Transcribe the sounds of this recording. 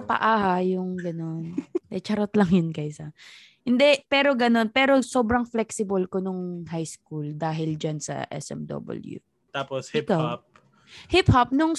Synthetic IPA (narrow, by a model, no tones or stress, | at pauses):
ɐpɐ̰ʔaːhɐjʊŋɡɐno̞nɛt͡ʃɐɾot̪lɐŋjʊnkajsɐ | hɪnd̪ɛpɛːɾo̞ɡɐno̞npɛːɾo̞soːbɾɐŋflɛksɪbɐlkonʊŋɦajskuld̪aːɦɪld͡ʒɐnsɐ̰ʔɛ̰sʔɛ̰md̪o̰ːbɐ̰ljṵ | t̪aːposhɪpkawap̚ | hɪphap̚nʊŋ